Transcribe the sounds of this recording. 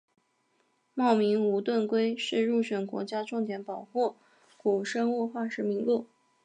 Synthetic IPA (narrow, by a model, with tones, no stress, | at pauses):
mɑ˥˩ʊmi˧˥ŋu˧˥t̪wə˥˩nkwe˥ɪʂɻ̩˥˧ɻu˥˩ɕɥɛ˨˩nkwɔ̰˧˥t͡ɕja˥ʈ͡ʂʊ˥˩ŋt̪jɛ˧˥npɑ˨˩ʊxu˥˩ | ku˨˩ʂə˥ŋu˥˧xwa˥˩ʂɻ̩˧˥mi˧˥ŋlu˥˩